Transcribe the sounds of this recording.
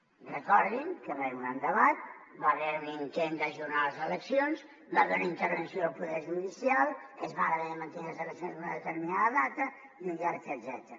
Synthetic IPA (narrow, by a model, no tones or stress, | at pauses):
rəkɔɾðiŋkəβeɾunand̪əβat̪̚ | baβeɾunint̪end̪əʒuɾnaləzələksionz | baβenəint̪əɾβənsioːlˠpuðɛɾʒuðisialˠezmaɾəβenəmənt̪enlˠəzəlˠəksionzd̪unəðət̪əɾminaðəðat̪ə | iund͡ʒɛɾt̪əd̪zɛ̰t̪əɾə